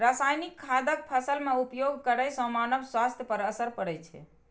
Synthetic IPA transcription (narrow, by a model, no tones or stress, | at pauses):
ɾasajnikʰːad̪ək̚pʰəsəlmeupjoɡʱkəɾəjsə̃manəbswast̪ʰjəpəɾəsəɾpəɽɛjt͡ʃʰɛ̰